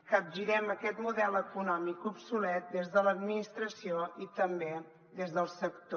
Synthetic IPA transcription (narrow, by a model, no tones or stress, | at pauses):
kəb̚ʒiɾɛməkɛt̪muðɛləkunɔmikupsulɛt̪̚d̪ezðələd̪minist̪ɾəsioit̪əmbe | d̪ezðəlˠsəkt̪o